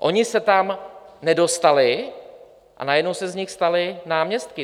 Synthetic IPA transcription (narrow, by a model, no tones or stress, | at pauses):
ʔo̞ɲɪsɛt̪amnɛdo̞st̪alɪ | ʔa̰najɛdnowsɛzɲɪxst̪alɪnaːmɲɛst̪̚kɪ